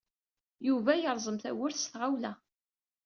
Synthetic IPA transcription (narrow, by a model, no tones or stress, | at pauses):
juvæjəɾˤzˤəmθæ̰wʊɾθsθʁawlæ